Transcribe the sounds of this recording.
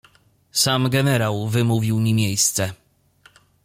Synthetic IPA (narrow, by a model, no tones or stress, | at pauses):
samɡɛnɛɾawvɘmuvʲiwmʲimʲjejst̪sɛ